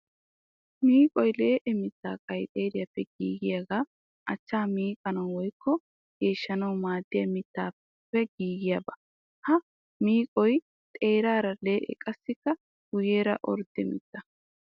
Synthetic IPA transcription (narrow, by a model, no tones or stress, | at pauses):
miːkʼɔjle̞ːʔɛmɪt̪ːa̰ːkʼɐjt̪ʼe̞ːɾɪjɐpːɛɡḭːɡɪjaɡaː | ʔɐt͡ʃːaːmiːkʼɐnɐwwɔjkːɔ | ɡ̥e̞ːʃːɐnɐwmaːd̪ːɪjɐmɪt̪ːaː | pːɛɡiːɡɪjabɐ | hɐ | miːkʼɔj | t̪ʼe̞ːɾaːɾɐle̞ːʔɛ̰kʼɐsːɪkːɐ | ɡʊjeːɾɐ̰ʔɔ̰ɾd̪̥ɛmɪ̰t̪ːɐ